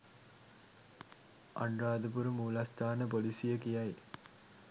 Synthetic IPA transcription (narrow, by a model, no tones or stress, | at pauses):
a̰ɳraːd̪əpuɾumuːlast̪aːnəpolisijəkijaj